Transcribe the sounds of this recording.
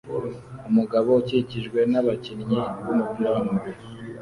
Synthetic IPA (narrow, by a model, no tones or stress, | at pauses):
umuɡaβouciciʒɡwe̞naβacinɲiβumupjaːmwe